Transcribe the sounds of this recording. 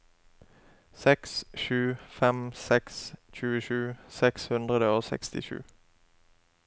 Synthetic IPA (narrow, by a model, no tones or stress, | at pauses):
sɛksʃʉːfɛmsɛksc͡çʉːəʃʉːsɛkshʉnd̪ʁəd̪əoːsɛ̰kst̪ɪ̰ʃʉ̰ː